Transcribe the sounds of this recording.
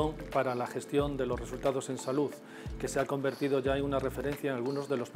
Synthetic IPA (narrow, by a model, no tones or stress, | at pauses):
oŋpaɾalaxe̞st̪jo̞nd̪e̞lo̞sre̞sult̪aðo̞se̞nsaluð | ke̞se̞ako̞mbe̞ɾt̪iðo̞ʝaeŋunare̞fe̞ɾe̞n̟θjaeŋalɣ̞uno̞zðe̞lo̞s